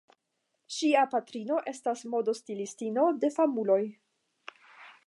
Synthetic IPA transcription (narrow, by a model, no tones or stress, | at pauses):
ʃiapatɾino̞ʔe̞stasmo̞do̞stilistino̞de̞famulo̞j